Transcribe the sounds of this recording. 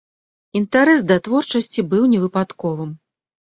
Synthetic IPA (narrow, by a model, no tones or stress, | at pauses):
int̪aɾɛsd̪ɐt̪vɔrt͡ʂɐsʲt͡sʲibɨwnʲɛvɨpat̪kɔvɨm